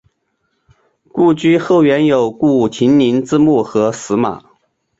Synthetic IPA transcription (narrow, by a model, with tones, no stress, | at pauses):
ku˥˩t͡ɕy˥xo˥˩ʊɥɛ˧˥njo˨˩ʊku˥˩˨t͡ɕʰi˧˥nni˧˥nt͡sɹ̩˥mu˥˩xɤ˧˥sɹ̩˧˥ma̰˨˩˦